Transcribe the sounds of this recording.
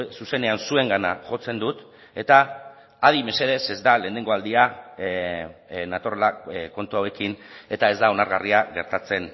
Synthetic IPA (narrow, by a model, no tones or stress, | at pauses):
suse̞ne̞ansue̞ŋɡana̰ʝo̞t͡se̞nd̪ut̪ | e̞t̪aː | ð̞ime̞se̞ð̞e̞se̞zd̪alend̪eŋɡo̞ald̪ia | nat̪orelako̞nt̪uawe̞kine̞t̪ae̞zd̪ao̞naɾɣariaɣe̞ɾt̪at͡se̞n